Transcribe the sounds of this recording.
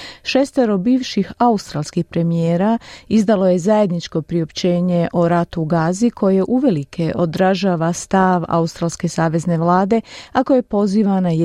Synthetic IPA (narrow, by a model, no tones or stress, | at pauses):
ʃest̪eɾo̞biːʋʃixaust̪ɾaːlˠskihpɾe̞mijeːɾaizd̪alo̞je̞zaje̞d̪nit͡ʃko̞pɾio̞pt͡ɕe̞ːɲe̞ʔo̞ɾat̪uɡaːzikʰo̞je̞ʔuʋe̞likʰe̞ʔo̞d̪ɾaʒaːʋast̪aʋa̰ust̪ɾaːlske̞saːʋe̞zne̞ʋlˠaːd̪e̞ako̞je̞po̞ziːʋanaj